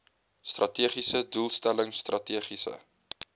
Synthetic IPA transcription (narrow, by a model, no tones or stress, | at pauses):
strɐtiəχisədulˠstæləŋstrʔɐtiəχisə̰